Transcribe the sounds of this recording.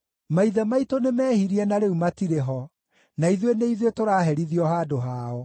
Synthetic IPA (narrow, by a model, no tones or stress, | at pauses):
maiðɛmaitonemɛːhiɾiɛnaɾeumatiɾeɦɔ | naiðweneiðwetoɾaːɦɛɾiðiɔɦaːdoɦaɔ